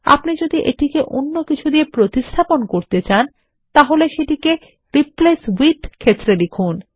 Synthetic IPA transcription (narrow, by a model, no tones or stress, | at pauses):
a̰pnid͡ʑod̪iʔḛʈikeʔo̰nːokit͡ɕʰud̪iepɾot̪ist̪ʰaponkoɾt̪et͡ɕan | t̪aɦoleʃeʈike | ɾipleswiʈkʰet̪ːɾelekʰun